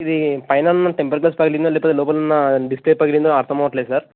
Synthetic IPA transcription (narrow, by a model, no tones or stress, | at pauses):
id̪ipɐjnɐnɐʈempɐɾklaːspɐɡilind̪olɛːpoːt̪elɔːp̬ɐlɐnːɐɖispleːpɐɡilind̪oɐɾt̪ʰɐmɐʋɐʈleːd̪usaːɾ